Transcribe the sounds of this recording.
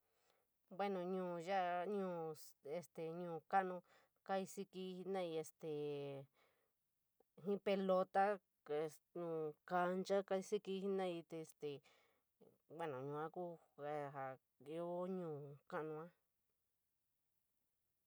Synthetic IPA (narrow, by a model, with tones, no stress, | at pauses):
bwe˦nõ˨ɲũː˨ʒa˦ʔɲũː˦˨e˧st̪e˨ɲũː˧˨ka˦ʔnũ˧ | ka˦i˧si˧ki˧˦i˧nã˦˧i˧e˧st̪e˨ | ɦĩ˦pe˧lo˧t̪a˦ | e˧ | ɲũː˨ka˧nt͡ʃa˦ka˧i˧si˦ki˧˦hi˦nã˦i˧t̪e˧st̪e˨ | bwe˦nõ˨ɲũ˨ã˦ku˦ | a˧a˨ | i˧˦o˦ɲũː˨kã˦ʔnũ˧ã˦